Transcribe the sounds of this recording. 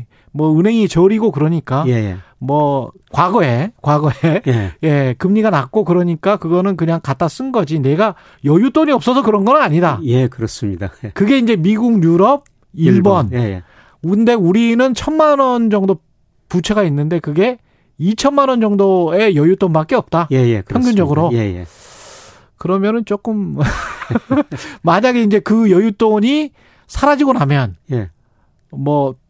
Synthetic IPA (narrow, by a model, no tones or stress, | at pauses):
mʌɯnɦe̞ŋit͡ɕʌɾiɡokɯɾʌɲik͈aj | mʌ | kwaɡʌe̞kwaɡʌeje̞kɯmɲiɡanak͈̚okɯɾʌɲik͈akɯɡʌnɯnkɯɲaŋkat͈as͈ɯnɡʌd͡ʑine̞ɡa | jʌjut͈oɲiʌp̚s͈ʌsʰʌkɯɾʌnɡʌnɯnaɲidajekɯɾʌsɯmɲidakɯɡe̞ind͡ʑe̞miɡuŋɲjuɾʌb̚ | iɭbʌn | nde̞uɾinɯnt͡ɕʰʌnmanʌnd͡ʑʌŋdo | put͡ɕʰeɡainːɯnde̞kɯɡe̞ | it͡ɕʰʌnmanʌnd͡ʑʌŋdoe̞jʌjut͈onbak͈eʌp̚t͈ajejḛkɯjʌŋɡund͡ʑʌɡɯɾojḛjḛ | kɯɾʌmjʌnɯnt͡ɕ͈ok͈ɯm | maɲaɡe̞ind͡ʑe̞kɯjʌjut͈oɲi | sʰaɾad͡ʑiɡonamjʌnje | mʌ